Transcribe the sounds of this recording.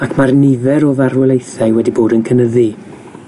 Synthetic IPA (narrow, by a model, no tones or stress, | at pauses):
akʰmarnɪvɛɾoːðaɾwɛlˠejθajwɛdiboːdənkʰənəði